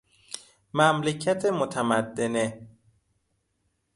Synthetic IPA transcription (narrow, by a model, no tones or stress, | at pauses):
mæmlecʰæt̪ʰemot̪ʰæmæd̪ːene